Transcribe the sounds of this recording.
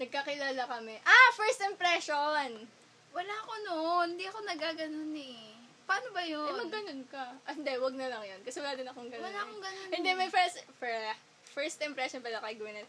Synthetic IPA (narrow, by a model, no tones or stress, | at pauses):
nɐɡ̚kakɪlaːlakɐmɛʔafɛɹst̪ɪmpɾɛʃon | wɐlaːɐko̞noʔnhɪnd̪iɐko̞nɐɡaːɡɐnonɛ | pɐaːnobɐjoɐɡɐnonkɐɪnd̪ɛwɐɡ̚nɐlɐŋjonkɐsɛwɐlaːd̪ɪnɐkoŋɡɐnwɐlaːɐkoŋɡɐnɪnd̪ɛmɐjfɛst̪fɛ | fɛɹst̪ɪmpɾɛʃonpɛːɾokɐɪɡɐwɪnɐn